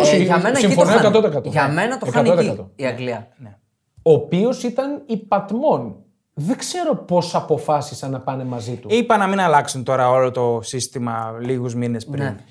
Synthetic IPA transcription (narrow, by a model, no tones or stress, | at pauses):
sɐmensimfonekɐt̪ot̪okɐt̪oɐmenɐt̪oeɐnot̪ekɐt̪oiɐɡliɐne | oːpio̞sit̪ɐnipɐt̪mo̞n | ðeɡse̞ɾo̞po̞sɐpo̞fɐsisɐnɐpɐne̞mɐzit̪uipɐnɐminɐlɐksunt̪o̞ɾɐolot̪o̞sist̪imɐliɣuzminespɾin